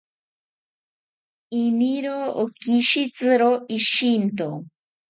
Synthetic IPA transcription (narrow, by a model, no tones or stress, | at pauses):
iniɾoːkiʃit͡sɨɾoiʃint̪o